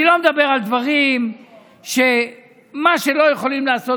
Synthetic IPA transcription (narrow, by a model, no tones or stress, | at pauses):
ilo̞med̪abe̞ʁald̪vaʁim | ʃe̞ | maʃe̞lo̞jeχo̞limlaːso